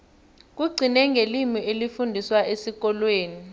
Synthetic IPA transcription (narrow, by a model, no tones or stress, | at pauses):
k̬uɡ͡ǀʱinɛŋɡʱelimiʔelifundʱiswaʔesik̬ɔlweːni